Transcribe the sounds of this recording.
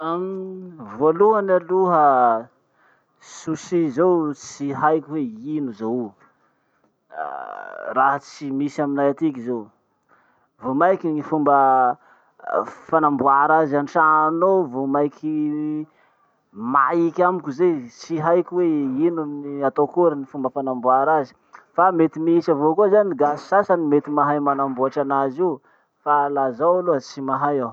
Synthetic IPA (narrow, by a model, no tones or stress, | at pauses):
amvoluanaluɦə | susizowt͡siɦajkʲiweinuzaw | raɦət͡simisaminajat̪ik̬izow | vomajkiɲifumbə | fanambuaɾazanʈ͡ʂanovomajkʰi | ma̰jikʲamikʲuzet͡siɦajkʲweinuniat̪okuɾanifumbəfanambuaɾazi̥ | famet̪imisavokuazaniɡasi̥sasanimet̪imaɦajmanambuaʈ͡ʂanaziw | falazawaloat͡simaɦajaw